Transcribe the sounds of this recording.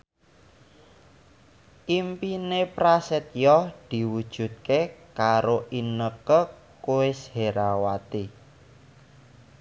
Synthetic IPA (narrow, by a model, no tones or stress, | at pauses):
ʔimpinepɾasɛt̪̚jɔhd̪̥i̤wud̥ʒ̥ṳt̪̚kekaɾoʔinəkə | koɪsheɾawat̪i